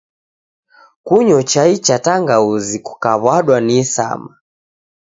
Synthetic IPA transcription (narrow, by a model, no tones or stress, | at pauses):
kuɲɔt͡ʃait͡ʃataŋɡauziku̥kaβwaɗwanisa̰ma